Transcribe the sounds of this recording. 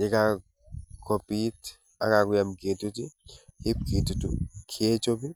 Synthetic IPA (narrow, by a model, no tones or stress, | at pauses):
nɛka | kʰopit | a̰kakujamketutihip̚kitutṵkʰet͡ʃobi